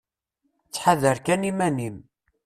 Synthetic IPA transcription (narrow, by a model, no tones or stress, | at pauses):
t͡sːħaðəɾkænimænim